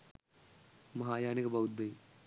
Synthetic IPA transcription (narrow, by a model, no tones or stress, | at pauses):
mɐɦaːjaːnikɐbɐwud̪ːɐj